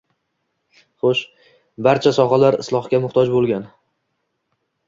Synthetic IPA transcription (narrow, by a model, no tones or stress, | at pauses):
χoʃ | baɾt͡ʃʰasɒχalaɾɪ̰slˠɒχkʲamʊχt̪ʰɒd͡ʒbolˠɡʲan